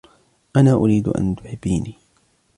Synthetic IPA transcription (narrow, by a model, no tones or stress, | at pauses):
ʔanaːʔʊɾiːd̪ʊ̰ʔa̰nt̪ʊ̥ħɪbːiːniː